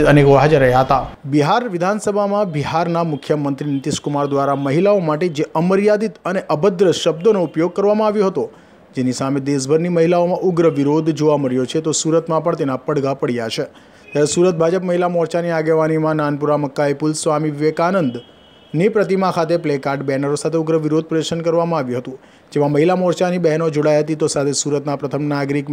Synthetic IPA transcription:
ənekoʋɦad͡ʒəɾəɦjaɦət̪abiɦaɾʋɪd̪ʱansəbʱamãbiɦaɾnamʊkʰːjəmənt̪ɾinɪt̪iʃkʊmaɾd̪ʋaɾaməɦilaomaʈed͡ʒeəməɾjad̪it̪əneʔəbəd̪ɾəʃəb̚d̪onoupjoɡ̚kəɾʋamãaʋjõɦət̪o | d͡ʒenisamed̪es̬bʱəɾniməɦilaomãʔʊɡɾəʋiɾod̪d͡ʒoʋaməɾjot͡ʃʰet̪osuɾət̪mãpəɳt̪enapəɽɡapəɽjaʃʰe | t̪jaɾesuɾət̪̚bʱad͡ʒəpməɦilamɔɾt͡ʃaniaɡeʋanimãnanpuɾaməkːajpulsʋamiʋekanənd̪ | nipɾət̪imãkʰat̪eplekaɾʈbɛɦnəɾosat̪ʰeʊɡɾəʋiɾod̪̚pɾəjəɾʃənkəɾʋamãaʋjũɦət̪ũ | d͡ʒemãməɦilamɔɾt͡ʃanibɛɦnod͡ʒoɽajɦət̪it̪osat̪ʰesuɾət̪napɾət̪ʰəmnaɡɾik

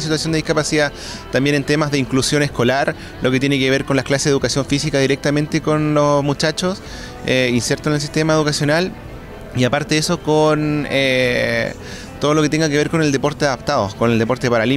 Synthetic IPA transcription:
sit̪wasjond̪eihkapasiða | t̪ambjene̞nt̪emazðeiŋklusjo̞nesko̞laɾ | lʔoket̪jenekeβeɾkonlaklaseukasjo̞ɱfisikaðiɾe̞k̚t̪ame̞nt̪e̞konlosmut͡ʃat͡ʃos | einsjeɾt̪onels̬i̥ht̪emaeðukasjo̞nal | iapaɾt̪eeso̞kone | t̪oð̞o̞lo̞ket̪e̞ŋɡakeβe̞ɾko̞ne̞ld̪e̞po̞ɾt̪eaðap̚t̪aðokoneld̪e̞po̞ɾt̪epaɾali

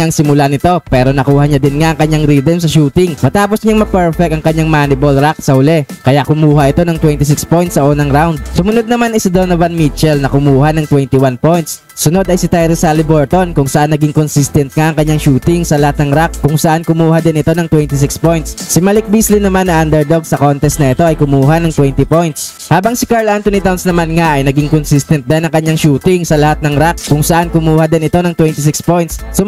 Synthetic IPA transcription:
aŋsɪmʊlanɪt̪o̞pɛːɾo̞nɐkuːhɐɲad̪ɪnŋaʔɐŋkɐɲaŋɾiːd̪ɛmsɐʃuːt̪ɪŋmɐt̪aːposɲaŋmɐpɛɹfɛk̚tɐŋkɐɲaŋmaːnɪbolɾak̚sɐhʊlɛkɐjaʔkʊmuːhɐʔɪt̪o̞nɐŋt̪wɛnt̪ɪs̬ɪkspo̞jnt̪sɐʔoːnɐŋɾawnd̪̚sʊmʊnod̪̚nɐmanɐjsɐd̪onɐvɐnmit͡ʃɛlnɐkʊmuːhɐnɐŋt̪wɛnt̪ɪwanpo̞jnt̪sːʊno̞d̪ɐjsɪt̪ɛjɾɛsalɪbɛɹt̪o̞nkʊŋsɐʔanːɐɡiŋkonsist̪ɛnt̪̚ŋaʔɐŋkɐɲːaŋʃuːt̪ɪŋsɐlɐhat̪nɐŋɾakkʊŋsɐʔankʊmuːhɐd̪ɪnʔɪt̪o̞nɐŋt̪wɛnt̪ɪs̬ɪkspojnt̪ssɪmɐlɪk̚bislɪnɐmanːɐʔand̪ɛɹd̪oɡ̚sɐkont̪ɛst̪nɐʔɛt̪o̞ʔɐjkʊmuːɦanɐŋt̪wɛnt̪ɪpojnt̪s | haːbɐŋsɪkaɹlʔant̪onit̪awnsnɐmanŋaʔɐjnɐɡiŋkonsist̪ɛnt̪̚d̪ɐnːɐŋkɐɲːaŋʃuːt̪ɪŋsɐlɐhat̪̚nɐŋɾak̚kʊŋsɐʔankʊmuːhɐd̪ɪnɪt̪o̞nɐŋt̪wɛnt̪ɪs̬ɪkspo̞jnt̪ssʊ

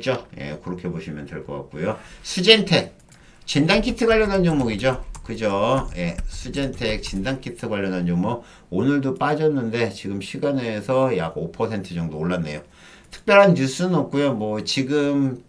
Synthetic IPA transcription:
t͡ɕ͈ojḛkɯɾʌkʰe̞boɕʰimjʌndeɭk͈ʌk͈a̰k̚k͈ujosʰud͡ʑentʰe̞k̚ | t͡ɕindankʰitʰɯɡwaʎjːʌndand͡ʑʌŋmoɡid͡ʑokɯd͡ʑoje̞sʰud͡ʑentʰek̚t͡ɕindankʰitʰɯɡwaʎːʌndand͡ʑʌŋmʌ | onɯɭdop͈ad͡ʑʌnːɯnde̞t͡ɕiɡɯmɕʰiɡane̞sʰʌjaɡopʰʌsʰe̞ntʰɯd͡ʑʌŋdoːɭːanːe̞̰jo | tʰɯ̥k̚p͈jʌɾɦanːus͈ɯnʌp̚k͈ujomwʌt͡ɕiɡɯm

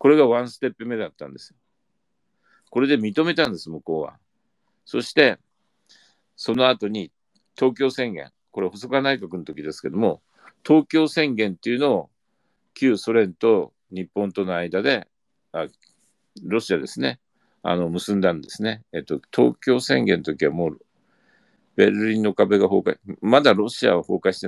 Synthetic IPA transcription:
ko̞ɾe̞ɡaβãɰ̃sɨ̥t̪e̞pːɯ̟me̞d̪at̪ːã̰nd̪e̞sɨjo | ko̞ɾe̞d̪e̞mʲit̪o̞me̞t̪ãnd̪esɨmɯ̟ko̞ːβa̰ | so̞ɕi̥t̪e̞ | so̞no̞at̪o̞ɲ̟i | t̪o̞ːkʲo̞ːsẽ̞ŋɡẽ̞̰ŋko̞ɾehosokɯanaikakɯ̟not̪o̞kʲid̪e̞sɨ̥ke̞d̪o̞mo̞ | t̪o̞ːkʲo̞ːsẽ̞ŋɡẽ̞nt̪e̞iɯ̟no̞ː | kʲɨːso̞ɾẽ̞nt̪o̞ | ɲ̟ipːõ̞nt̪o̞noaid̪ad̪e̞ | a | ɾo̞ɕiad̪e̞sɨne̞ | a̰no̞mɯ̟sɨ̃nd̪ãnd̪e̞sɨneet̪ːot̪ʰo̞̰ːkʲo̞ːsẽ̞ŋɡẽ̞not̪okʲiβamoː | b̥e̞ɾɯ̟ɾʲĩnːo̞kabe̞ɡaho̞ːkaimad̪aɾo̞ɕia̰βaho̞̰ːkaiɕi̥t̪e

